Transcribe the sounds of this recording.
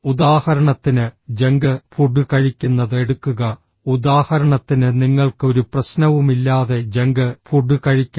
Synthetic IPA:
ud̪aːhɐɾɐɳɐt̪ːinɨd͡ʑe̞ŋɡɨpʰuɖːukɐɻikʲːunːɐðɨe̞ɽukːuɣɐ | ud̪aːhɐɾɐɳɐt̪ːinɨniŋːɐɭkɨo̞ɾuprɐɕnɐʋumilːaːðe̞d͡ʑe̞ŋɡɨpʰuɖːukɐɻikʲːa

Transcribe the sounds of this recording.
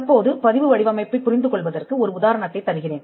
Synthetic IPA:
ɐpːoːðɯpɐðɪʋɯʋɐɽɪʋɐmɐɪpːɐɪpːʊɾɪnd̪ɯkɔɭʋɐðɐrkɯɔɾɯʊðaːɾɐɳɐt̪ːɐɪt̪ːɐɾɯɣɪreːn

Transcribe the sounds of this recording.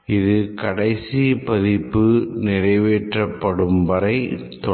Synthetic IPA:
ɪðɯkɐɽɐɪsipɐðɪpːɯnɪrɐɪʋeːʈrɐpːɐɽɯmbɐɾɐɪt̪ɔ

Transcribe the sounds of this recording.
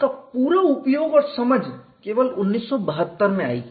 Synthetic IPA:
kapuːɾaʊpjoːɡɔːɾsɐməd͡ʒʱ | keːʋəlʊnːiːsːɔbəɦət̪ːəɾmẽa̰ːḭ

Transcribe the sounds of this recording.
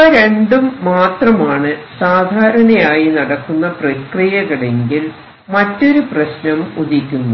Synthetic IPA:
ɐɾeɳɖumːaːt̪rɐmaːɳɨsaːd̪ʱaːɾɐɳɐjaːjinɐɽɐkːunːɐprɐkrijɐɣɐɭe̞ŋɡil | mɐtːo̞ɾuprɐɕnɐmud̪ikʲːunːu

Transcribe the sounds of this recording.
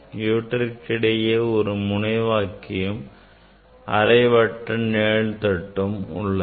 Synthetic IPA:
juːʈːɐɪkːɪɽɐjeɔɾɯmʊnɐɪʋaːkɪjɯm | ɐɾɐɪʋɐʈːɐneːɭt̪ɐʈːɯmʊ̰ɭːɐ

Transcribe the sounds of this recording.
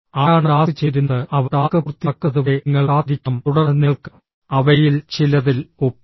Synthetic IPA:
aːaːɳɨaːsɨt͡ɕeɾunːɐɨʔɐʋɐɾaːkɐkrt̪ːɐkːɐðuʋeŋːɐɭaːd̪ʱikʲːɐmt̪uɽɐrnːeɭk | ɐʋɐjilt͡ɕilɐðilo

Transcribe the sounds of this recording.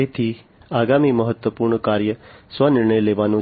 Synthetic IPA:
et̪ʰi | aɡamiməɦət̪ʋəpuɾɳkaɾjəsʋənɪɾɳəjleʋanũ

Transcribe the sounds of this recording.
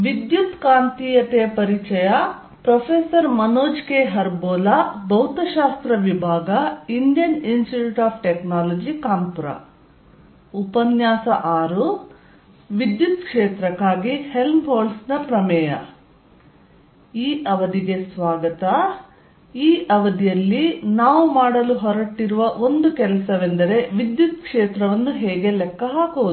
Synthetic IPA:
ʋid̪jut̪kaːnt̪iːjɐt̪ejɐpɐɾit͡ʃɐja | pɾɐpʰeːsɐɾmɐnoːd͡ʒkeːɦɐɾboːlabʱɐwt̪ɐʃaːst̪ɾɐʋibʱaːɡɐinɖijɐninsʈiʈuʈaːpʰʈeknaːlɐd͡ʒikaːmpuɾɐ̰ | upɐnjaːsɐʔaːɾu | ʋid̪jut̪̚kʂeːt̪ɾɐkːaːɡihe̞lmɦoːlsnɐpɾɐmɛːjɐ | iːʔɐʋɐd̪iɡe̞sʋaːɡɐt̪ɐ | iːʔɐʋɐd̪ijɐlːinaːʋumaːɽɐluɦɔɾɐʈːiɾuʋɐʔo̞nd̪ukɛlɐsɐʋend̪ɐɾe̞ʋid̪jut̪̚kʂeːt̪ɾɐʋɐnːuɦɛːɡe̞lɛkːɐɦaːkuʋud̪

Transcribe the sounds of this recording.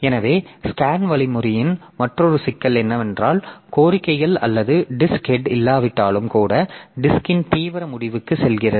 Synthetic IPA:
ɛnɐʋeːskaːnʋɐɭɪmʊɾɪjɪn | mɐʈrɔɾɯsɪkːɐlɛnːɐʋɛndraːlkoːɾɪkːɐɪɣɐɭɐ̰lːɐðɯɖɪskɛɖɪlːaːʋɪʈːaːlɯmkuːɽɐɖɪskɪnt̪iːʋɐɾɐmʊɽɪʋɯkːɯsɛlɣɪrɐðɯ

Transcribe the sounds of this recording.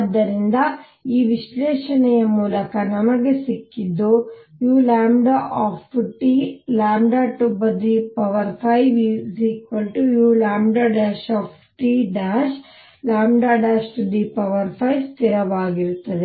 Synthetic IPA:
ɐd̪ːɐɾind̪ɐ | iːʋiʃlɛːʃɐnɛjɐmuːlɐkɐnɐmɐɡe̞sikːid̪ːujuːlaːmɖaʔaːpʰʈiːlaːmɖaːʈubɐd̪iːpɐʋɐɾpʰɐjʋiziːkʋɐlʈujuːlaːmɖaːɖaːʃaːpʰ | ʈiːɖaːʃ | laːmɖaːɖaːʃʈud̪iːpɐʋɐɾpʰɐjst̪iɾɐʋaːɡiɾut̪ːɐd̪e

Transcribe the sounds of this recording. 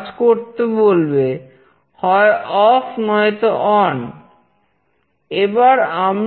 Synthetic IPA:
d͡ʑkoɾt̪ebolbe | hɔeʔɔfnɔjt̪oʔɔn | ebaɾam

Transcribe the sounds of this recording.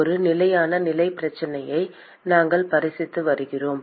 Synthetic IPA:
ɔɾɯnɪlɐjaːnɐnɪlɐɪpɪɾɐt͡ʃːɐnɐjɐɪ | naːŋɡɐɭpɐɾɪsɪt̪ːɯʋɐɾɯɣɪroːm

